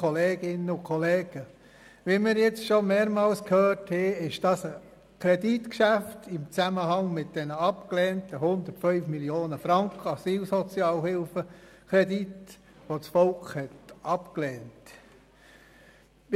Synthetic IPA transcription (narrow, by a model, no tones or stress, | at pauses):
ɔleːɡ̥ɪnəʊkʰɔleːɡ̥ə | ʋiːmɪɾjɛt͡sʃomeːɾmɑːlskhøːrthɛːɪʃd̥ɑsə | kʰɾɛditkʃæftɪmt͡sæməhɑŋmɪt̚d̥ɛnəɑpklɛːntəɦhʊnd̪ətfœʏfmiljoːnəfɾɑŋkχəɑsiːlsɔt͡sjɑːlhɪlfəkʰɾɛdit | ʋot͡sfɔlkχhɛtɑpklɛːnt